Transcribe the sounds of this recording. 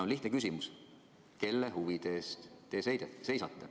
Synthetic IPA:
onliht̪nekys̬ʲimus | ke̞lːeɦuvid̪̥e̞ːst̪ːe̞sejd̪ese̞jsɑt̪ːe

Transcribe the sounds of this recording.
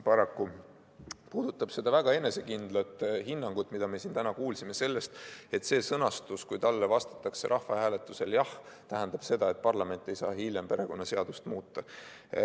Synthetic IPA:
pɑɾɑkːu | puːd̪̥ut̪ːˑɑb̥se̞d̪̥ɑvæɡ̥ɑe̞ne̞se̞kind̪lɑt̪ːˑhinːɑŋɡ̥ut̪ːˑmid̪̥ɑme̞sint̪ænɑkuːlsime̞se̞lːe̞st̪e̞t̪se̞ːsɤnɑst̪uskujt̪ɑlːevɑst̪ɑ̥t̪ːˑɑkse̞̰ɾʔɑhvɑhæːle̞t̪ːˑuse̞ljɑht̪æɦænd̪̥ɑb̥se̞d̪ɑe̞t̪̚ːpɑrlɑme̞nt̪ːˑe̞jsɑ̰ːhiljempe̞ɾe̞ko̞nːɑse̞ɑd̪̥ust̪muːt̪ːɑ

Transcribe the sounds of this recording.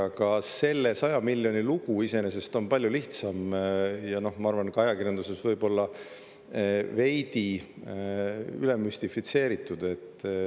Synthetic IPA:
ɑkɑse̞lːe̞sɑjɑmilʲːjo̞niluɡ̥uise̞ne̞se̞st̪o̞npɑlʲjuliht̪sɑmjɑno̞hmɑɑɾvɑnkɑjɑkirjɑnd̪use̞svɤjbo̞lːɑ | ve̞jd̪̥i | yle̞mːysʲt̪ifit̪se̞ːɾit̪ˑːud̪e̞t̪ˑː

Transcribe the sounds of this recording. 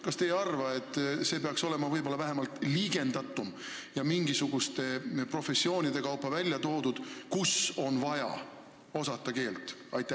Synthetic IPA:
kɑst̪e̞jɑrvɑe̞t̪ːˑse̞ːpe̞ɑkso̞le̞mɑvɤjbo̞lːɑvæɦe̞mɑlt̪liːɡ̥e̞nd̪̥ɑt̪ːˑum | jɑmiŋɡisuɡ̥ust̪e̞pro̞fe̞sːio̞ːnʲid̪e̞kɑwpːˑɑvælʲjɑt̪o̞ːd̪ud̪̥kuso̞nvɑjɑ̰ | o̞sɑt̪ːˑɑke̞ːlt̪ˑɑjt̪ːˑæ

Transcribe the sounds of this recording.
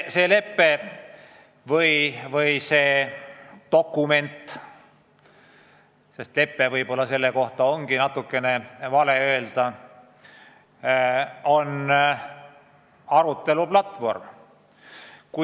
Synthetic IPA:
se̞ːle̞pːe̞ | vɤjvɤjse̞̥ː | o̞kːˑume̞nt̪ː | se̞st̪le̞pːe̞vɤjbo̞lːɑse̞lːe̞ko̞ht̪ɑoŋɡ̥inɑt̪ːukːe̞ne̞vɑle̞ø̞eld̪̥ɑ | o̞n | ɑɾut̪ːˑe̞luplɑt̪vo̞rm | ku

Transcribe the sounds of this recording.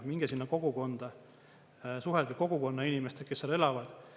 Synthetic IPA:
miŋɡ̥esinːɑko̞ɡ̥uko̞nd̪̥ɑ | suɦelɡ̥iko̞ɡ̥uko̞nːɑinʲime̞st̪ekesːelelɑvɑd̪̥

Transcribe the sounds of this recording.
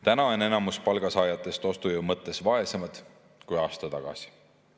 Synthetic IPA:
t̪ænɑone̞nɑmuspɑlɡ̥ɑsɑːjɑt̪ːˑe̞st̪o̞st̪ujumɤt̪ˑːe̞svɑe̞semɑd̪̥ | kujɑːst̪ɑt̪ɑɡ̥ɑ̰si̥

